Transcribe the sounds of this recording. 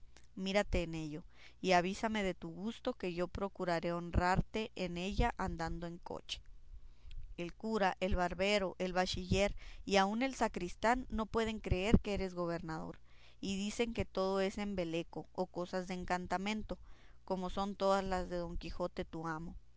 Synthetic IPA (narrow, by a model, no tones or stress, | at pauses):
miɾat̪e̞ːne̞ʝo̞ | iaβ̞isame̞ðe̞t̪uɣust̪o̞ke̞ʝo̞pɾo̞kuɾaɾe̞o̞nraɾt̪e̞ʔene̞ʝaʔand̪and̪o̞e̞ŋko̞̰t͡ʃe̥ | e̞lkuɾaʔe̞lβaɾβe̞ɾo̞ʔe̞lβat͡ʃiʝe̞ɾiaune̞lsakɾist̪anːo̞pwe̞ð̞e̞ŋkɾe̞e̞ɾkeeɾe̞zɣo̞β̞e̞ɾnaðo̞̰ɾ | iðise̞ŋke̞t̪o̞ð̞o̞e̞se̞mbe̞le̞ko̞ːko̞sazðeeːŋkant̪amẽ̞nt̪o̞ | ko̞mo̞so̞nt̪o̞ðazlazðe̞ðo̞ŋkixo̞t̪e̞t̪uamo̞